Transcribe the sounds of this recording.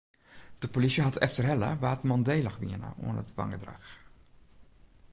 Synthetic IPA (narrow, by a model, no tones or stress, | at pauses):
d̥əpolisəɦatʰɛ̰ftərɦɛlə̰ʋaːtmɔndejlaxʋiənə̰ʔṵənətʋɑ̰ŋɡədra̰x